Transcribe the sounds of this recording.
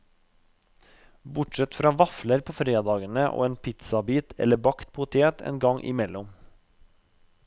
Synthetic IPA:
bʊʈʃɛt̪fɾɑːʋɑfləɾpʰoːfɾeːd̪ɑːɡənəʔo̰ːeːnpʰɪt̪sɑbiːt̪ʰɛ̰ləbɑkt̪̚pʰʊt̪ʰeːt̪ʰḛːnɡɑŋʔɪ̰mɛlʊm

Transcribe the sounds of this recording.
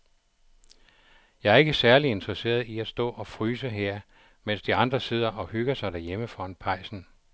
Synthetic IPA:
jɑ̈ɪæɐe̝ɡ̥əsæɐlie̝nd̥ʁɛse̝̰ːɐðˠiæ̥sd̥ɔ̰̽ːʔɒ̽fʁyːsəɦeɐ̰ | men̰sd̥iɑ̈nd̥ʁɐse̝ð̰ˠɐʔɒ̽hyɡ̥ɐsɑ̈ɪɾ̥æɐjeməfɒ̽enpʰɑ̈ɪ̰sn̩

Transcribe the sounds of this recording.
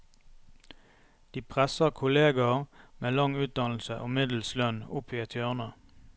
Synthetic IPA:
d̪̥iːpʰʁɛsəʁkʰʊleːɡɑʁmeːlɑŋʉːt̪̚d̪ɑnl̩səʔoːmɪd̪l̩slœnʊpʰiːɛt̪ʰjœʁnə

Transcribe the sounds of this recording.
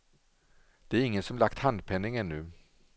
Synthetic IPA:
d̪̥ɛæɾɪŋːənsɔmlakt̪hand̪̚pʰɛnːɪŋɛnːʉː

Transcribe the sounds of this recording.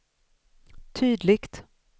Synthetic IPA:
t̪ʰyːd̪lɪɡt̪

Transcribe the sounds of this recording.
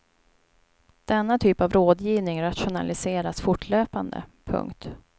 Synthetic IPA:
d̪̥ɛnːat̪ʰyːpavɾoːd̪jiːvnɪŋɾat̪ɧʊna̰lɪseːɾasfʊʈʰløːpand̪ə̰pʰɵ̰ŋkt̪

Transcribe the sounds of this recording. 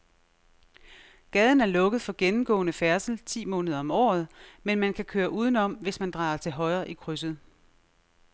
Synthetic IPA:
ɡ̥ɛð̞ˠn̩æɐlɔ̽ɡ̥əð̩ˠfɒ̽ɡ̥enm̩ɡ̥ɔ̰̽ːnəfæɐsl̩t͡sʰḭːmɔ̽ːnəð̞ˠɐɒ̽mɒ̰ːð̞̩ˠmenmænkʰækʰøːɐʔuːð̞ˠn̩ɒ̽m̰ʋe̝smænd̥ʁɑ̰̈ːɐt͡sʰe̝lɦɒ̽ɪʁɐːʔikʰʁys̬əð̩ˠ

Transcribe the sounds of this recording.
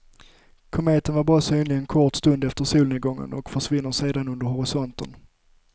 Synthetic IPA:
kʰɔmeːt̪ənvaɾbɾɑːsyːnlɪɡɛnkʰɔʈst̪ɵnd̪ɛft̪əsuːlnɪɡɔŋːə̰nɔ̰kfœʂvɪnːəʂeːd̪anɵnd̪əɾhɔɾɪsɔnt̪ən

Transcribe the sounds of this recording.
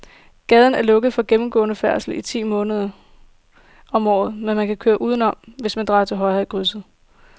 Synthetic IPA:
ɡ̥ɛð̞ˠn̩æɐlɔ̽ɡ̥ð̩ˠfɒ̽ɡ̥emm̩ɡ̥ɔ̰̽ːnəfæɐsl̩it͡sʰḭːmɔ̽ːnəð̞ˠɐ | ɒ̽mɒ̰ːð̞̩ˠmenmænkʰækʰøːɐʔuːðˠnɒ̽m̰ʋe̝smænd̥ʁɑ̈ːɐt͡sʰe̝lɦɒ̽ɪhæð̰ˠɡ̥ʁys̬ð̩ˠ

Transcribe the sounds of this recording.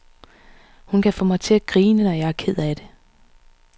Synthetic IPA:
hunkʰæfɔmɑ̈ɪt͡sʰe̝æɡ̥ʁiːnənɒjɑ̈ɪæɐkʰe̝ð̰ˠæd̥e̝

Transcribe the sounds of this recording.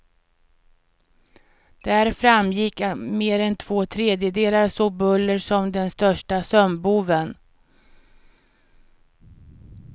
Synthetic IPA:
d̪̥æɾfɾamjɪkːmeːɾɛnt̪ʰvoːt̪ʰɾeːd̪jəd̪eːlaɾsoːbɵlːəɾʂɔmd̪ɛnst̪œʂʈasœmbuːvən

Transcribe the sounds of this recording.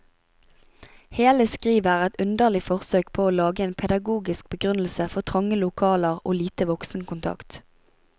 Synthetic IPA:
heːləskʁiːʋəʁɛt̪ʉnd̪əʁlɪfɔʁsøːkpʰoːoːlɑːɡəeːnpʰɛd̪ɑɡuːɡɪsk̚bəɡʁʉnl̩səfɔʁt̪ʰʁɑŋəlʊkʰɑːləʁo̰ːliːt̪əʋɔksn̩kʊnt̪ʰɑ̰kt̪

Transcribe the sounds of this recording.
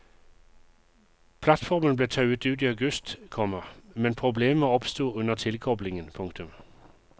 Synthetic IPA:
pʰlɑt̪fɔʁmənbleːt̪ʰɑʉət̪ʉːt̪iːɑʉɡʉst̪kʰɔməmɛnpʰʁʊbleːməɔpst̪uːʉnəʁt̪ʰɪlkʰɔblɪŋənpʰʊŋkt̪ʉm

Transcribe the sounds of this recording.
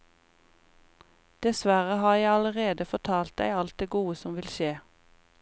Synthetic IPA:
d̪̥ɛsʋæʁəhɑːjæɪɑləʁeːd̪əfɔt̪ʰɑːlt̪̚d̪æ̰ɪɑlt̪̚d̪eːɡuːəsɔmʋɪlʃeː

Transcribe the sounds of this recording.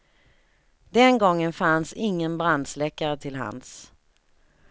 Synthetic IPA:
d̪ɛnɡɔŋːənfansɪŋːənbɾand̪slɛkːaɾət̪ʰɪlɦa̰ns

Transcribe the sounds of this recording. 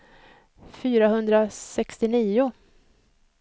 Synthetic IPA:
fyːɾaɦɵnd̪ɾasɛkst̪ɪniːʊ

